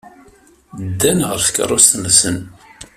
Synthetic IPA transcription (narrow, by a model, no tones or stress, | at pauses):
d̪ːænʁəɾθə̥kːə̰rˤːost̪msən